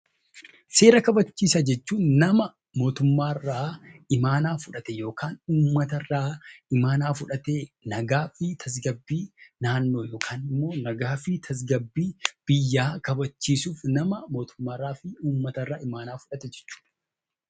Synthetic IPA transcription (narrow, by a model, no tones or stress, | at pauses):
se̞ːɾɐkɐbɐt͡ʃːiːsɐd͡ʒɛt͡ʃːuːnnɐmɐ | mo̞ːt̪ʊmːaːrːaːɪmaːnaːfʊᶑɐt̪ɛjo̞ːkʰaːnuːmːɐt̪ɐrːaːɪmaːnaːfʊᶑɐt̪eːnɐɡaːfɪt̪ʰɐs̬ɡɐbːiːnaːnːo̞ːjo̞ːkʰaːnɪmːo̞ːnɐɡaːfɪt̪ʰɐs̬ɡɐbːiːb̥ɪjːaːkɐbɐt͡ʃːiːsuːfnɐmɐmo̞ːt̪ʊ̥mːaːrːaːfɪuːmːɐt̪ɐrːaːɪmaːnaːfʊᶑɐt̪ɛd͡ʒɛ̥t͡ʃːu̥ːᶑɐ